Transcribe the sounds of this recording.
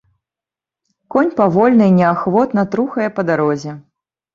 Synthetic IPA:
kɔnʲpavɔlʲnɨnʲɛaxvɔt̪nɐt̪ɾuxɐjɛpɐd̪aɾɔzʲɛ

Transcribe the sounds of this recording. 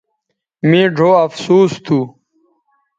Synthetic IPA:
mĩːɖʱoːɐfsuːst̪ʰuː

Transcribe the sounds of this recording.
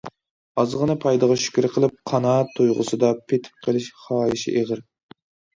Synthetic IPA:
ɑzʁənɨpʰɑjd̪əʁɑʃy̥kʲyɾɪqʰəlˠɨp̚qʰɑnɑːt̪ʰojʁʊ̰sɨd̪ɑpʰet̪ʰɪ̥p̚qʰəlɪʃχɑːiʃḭʔeʁɪɾ

